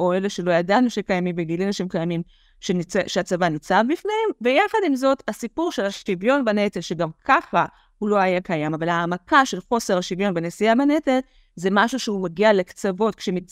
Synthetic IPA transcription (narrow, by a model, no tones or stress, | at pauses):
ʔo̞eleʃelo̞jadanaʃimkajamimbeɡilianaʃimkajamim | ʃeniʃeat͡savanit͡sabbifneemvejaχadimzo̞thasipuʁʃe̞laʃtivjo̞nbanet̪elʃeɡamkʰaχa | hulo̞ajakajamavalaːmakaʃelχo̞se̞ʁaʃivjo̞nbenesiabanet̪el | zemaʃuʃeumeɡiale̞kt͡savo̞t̚kʃemit͡s